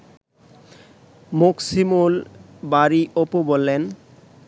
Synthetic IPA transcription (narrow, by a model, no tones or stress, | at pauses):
muksimul | baɾiʔopubolːen